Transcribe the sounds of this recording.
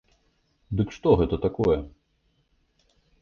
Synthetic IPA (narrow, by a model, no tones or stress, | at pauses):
d̪ɨkʂt̪ɔɣɛt̪ɐt̪akɔjɛ